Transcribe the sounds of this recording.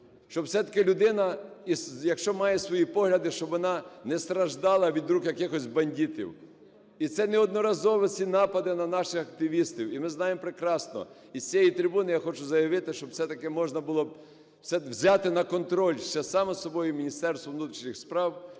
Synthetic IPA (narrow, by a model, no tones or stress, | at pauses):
ʃt͡ʃɔbwsɛt̪ɐ̥kɪlʲʊd̪ɪnɐisjɐkʃt͡ʃɔmɑjɛsʋɔjipɔɦlʲɐd̪ɪʃt͡ʃɔbʋɔnɑnɛst̪ɾɐʒd̪ɑlˠɐʋʲid̪ɾukjɐkɪxɔsʲbɐnʲdʲit̪ʲḭw | it̪sɛnɛɔd̪nɔɾɐzɔʋɔt͡sʲinɑpɐd̪ɪnɐnɑʃɪxɐk̚t̪ɪʋʲist̪iwimɪznɑjemɔpɾekɾɑsnɔ̰ | isʲt͡sʲɛjit̪ɾʲɪbunɪjaxɔt͡ʃʊzɐjɐʋɪt̪ɪʃt͡ʃɔb̥sɛt̪ɐkɪmɔʒnɐbʊlˠɔb | sɛwzʲɑt̪ɪnɐkɔnt̪ɾɔlʲʃt͡ʃɛsɑmɔsɔbɔjʊmʲinʲist̪ɛrst̪ʋɔʋnut̪ɾʲiʃnɪxspɾɑw